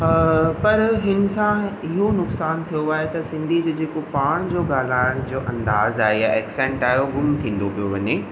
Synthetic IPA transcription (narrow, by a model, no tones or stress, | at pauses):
pɐɾɦɪnɪ̆sãɪɦonʊksaːnt̪ʰijoaːɦet̪ɐsɪ̃nd̪ʱid͡ʑeːd͡ʑeːkopaːɽ̃d͡ʑoːɡaːl̤aːɪɽ̃d͡ʑoːʔɐ̃nd̪aːzaːɦejaʔɛːksɛ̃ːɳʈaːɦjoɡʊmt̪ʰĩːn̆d̪opijoʋɐɲeː